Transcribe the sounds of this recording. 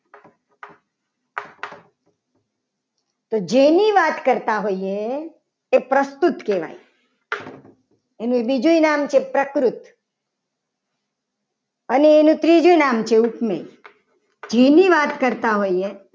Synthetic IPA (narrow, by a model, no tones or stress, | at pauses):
t̪od͡ʒeniʋat̪kəɾt̪aɦoieː | pɾəst̪ut̪keʋa̰j | enũbid͡ʒujnamt͡ʃʰepɾəkɾʊt̪ | əneːnũt̪ɾid͡ʒuinamt͡ʃʰeupmḛ | d͡ʒeniʋaːt̪kəɾt̪aɦoie